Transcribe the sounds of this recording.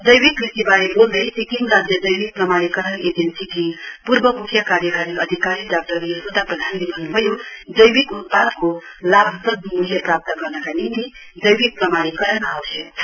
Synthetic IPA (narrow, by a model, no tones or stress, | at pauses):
d͡ʒəjbikɾisibaɾebold̪əjsikimɾad͡ʒjəd͡ʒəjbik̚pɾəmaɽ̃ikəɾəned͡ʒensikipuɾbəmukʰjakaɾjəɡaɾiəd̪ʱikaɾiɖak̚ʈəɾisud̪apɾəd̪ʱand̪imanbəjud͡ʒəjbikut̪̚pad̪kolabʱsəb̪̚muljepɾap̚t̪əkʌɾnakanit̪i | d͡ʒəjbik̚pɾəmaɽikəɾənawt͡ʃʰɛ